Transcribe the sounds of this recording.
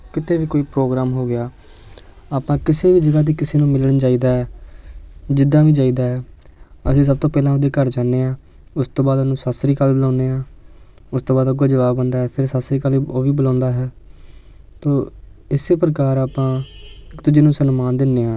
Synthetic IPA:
kɪt̪ʰeːʋiːkoːiːpɾoːɡɾaːmɦoːɡɪjaː | aːpãːkɪseːʋiːd͡ʒəɡaːd̪iːkɪseːnũːmɪləɽnt͡ʃaːiːd̪aːɦɛː | d͡ʒɪd̪ãːʋĩːd͡ʒaːiːd̪aːɦɛːəsĩːs̬əb̚t̪õːpɛːlãːod̪eːkəɾd͡ʒaːneːãː | ʊst̪õːbaːd̪ənũːsaːsɾiːkəlbəlãːneːãː | ʊst̪õːbaːd̪oɡoːd͡ʒəʋaːbə̃nd̪aːɦɛːpʰɪɾsaːsɾiːkəloːʋiːbəlãːnd̪aːɦɛː | t̪oːɪseːpɾəkaːɾaːpãːɪkt̪ʊd͡ʒeːnũːsənmaːnd̪ɪnːeːãː

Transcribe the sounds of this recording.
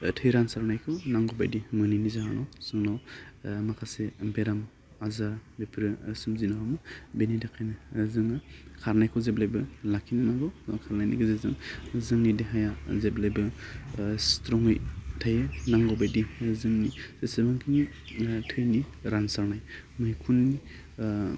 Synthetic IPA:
tʰɯjɾansaɾnajkʰɔnaŋɡɔba̰jdimɯninizaɦanawz̥ɯŋnawmakʰasebeɾam | azaɾbepʰɾɯsɯmzinawamɯbenidakʰajnɯzɯŋɯkʰaɾnajkʰɔwzeblajbɯlakʰinɯnaɡawdɔŋkʰaɾnajnḭɡɯzezɯ̰ŋzɯŋnidiɦajazeblajbɯ | stɾɔŋɯjtʰajɯnaŋɡɔbajdizɯŋnisesibaŋkʰini | tʰɯjniɾansaɾnajmɯjkʰunːi

